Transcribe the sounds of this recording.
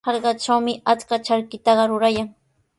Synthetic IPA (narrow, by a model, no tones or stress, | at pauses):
ɑɾɢɑt͡ʃawmɪat͡skat͡ʃaɾkɪt̪ɑɢɑɾʊɾajaŋ